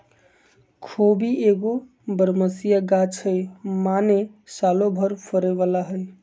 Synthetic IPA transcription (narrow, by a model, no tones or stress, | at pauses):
kʰobieɡo | bəɾməsijaɡat͡ʃʰəjmanesalobʱəɾpʰəɾeʋalaɦəj